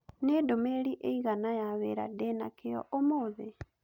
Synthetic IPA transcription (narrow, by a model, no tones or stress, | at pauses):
nedomeɾiʔeiɣanajaweɾa̰denakejɔ̰ʔomoːðe